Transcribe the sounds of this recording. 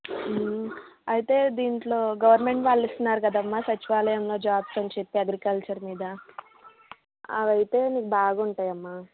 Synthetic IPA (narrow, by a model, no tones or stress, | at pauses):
ɐjt̪e̞ːd̪iːɳʈlo̞ːɡɐʋɐɾnme̞ɳʈʋaːɭːist̪unːaːɾukɐd̪aːmːaːsɐt͡ʃiʋaːlɐjɐmlo̞ːd͡ʒaːbsɐnt͡ʃe̞pːiɐɡɾikɐlt͡ʃɐɾmiːd̪ɐ | ɐ̰ʋɐjt̪e̞ːniːkubaːɡauɳʈaːjɐmːaː